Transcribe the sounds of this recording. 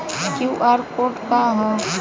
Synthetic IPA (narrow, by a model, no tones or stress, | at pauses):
kjuʔaːɾkoːɾʈkaɦã